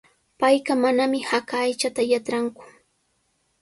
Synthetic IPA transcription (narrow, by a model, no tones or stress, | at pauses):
pajɢamanamɪhakaːjt͡ʃat̪ajat͡ʃɾaŋkʊ̥